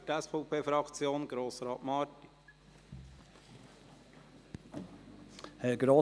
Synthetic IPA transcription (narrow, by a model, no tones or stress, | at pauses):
tɛsfɔʊpʰeːfɾɑkt͡sjoːnɡ̥ɾoːsɾɑːtmɑːɾti̥ | hɛɡɾoː